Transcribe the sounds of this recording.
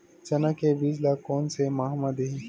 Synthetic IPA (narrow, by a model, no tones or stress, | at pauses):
t͡ʃɐnakebiːd͡ʒlakɔːnsemaɦməd̪i